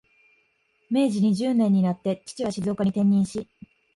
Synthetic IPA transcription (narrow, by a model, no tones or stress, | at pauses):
me̞ːʑiɲ̟iʑɨːnẽ̞ɲ̟ːinat̪ːe̞t͡ɕi̥t͡ɕiβaɕizo̞ːkaɲ̟it̪ẽ̞ɲ̟ːĩɰ̃ɕi